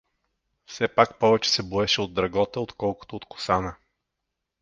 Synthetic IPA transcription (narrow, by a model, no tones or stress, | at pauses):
fsɛpakpɔvɛt͡ʃɛ̥sɛboɛʃɛod̪ːɾɐɡɔt̪əot̪kɔlˠkʊ̥t̪oːt̪kʊ̥sanə